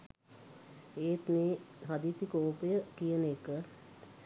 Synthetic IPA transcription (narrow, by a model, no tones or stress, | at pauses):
eːt̪neːɦad̪isikoːpəjəkijənekə